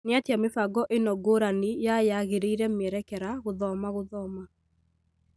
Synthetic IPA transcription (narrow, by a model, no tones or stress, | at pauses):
nɪatjamefaɡɔʔenɔɡoɾanijajaɣeɾeiɾɛmɛɾɛkɛɾaɣoðɔmaɣoðɔma